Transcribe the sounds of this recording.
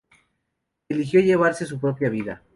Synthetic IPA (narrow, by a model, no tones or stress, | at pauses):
elixjo̞ʝe̞β̞aɾse̞s̬upɾo̞pjaβ̞iða̰